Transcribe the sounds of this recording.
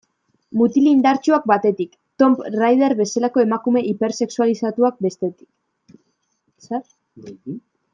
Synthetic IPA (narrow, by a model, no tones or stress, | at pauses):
mut̪ilind̪aɾt͡ʃuak̚bat̪e̞t̪ik | t̪o̞mprajðeɾβe̞salako̞e̞makume̞ʔipe̞ɾse̞ksualisat̪uak̚be̞st̪e̞t̪i̥k | seɾ